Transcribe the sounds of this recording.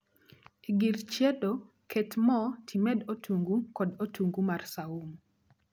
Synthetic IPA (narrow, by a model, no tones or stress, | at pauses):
iɡirt͡ʃjedo | kʰetmɔtʰimɛdotʰuŋɡukɔdotʰuŋɡumarsaum